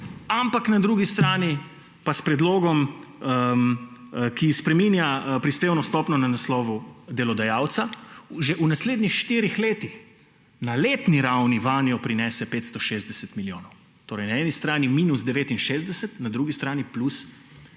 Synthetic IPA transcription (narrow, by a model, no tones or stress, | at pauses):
ampaknad̪ɾuːɡist̪ɾaːni | paspɾɛd̪loːɡɔm | kispɾɛmiːnjapɾispeːwnɔst̪ɔːpnɔnanaslɔːʋud̪ɛlɔd̪ajaːwt̪saʒɛʔunasleːd̪nixʃt̪iːɾixleːt̪ix | naleːt̪niɾawniʋaːnijɔpɾinɛsɛpeːt̪st̪ɔʃeːzd̪ɛsɛt̪miljoːnɔw | t̪oːɾɛjnaɛːnist̪ɾaːnimiːnusd̪ɛʋeːt̪inʃeːzd̪ɛsɛt̪nad̪ɾuːɡist̪ɾaːniplus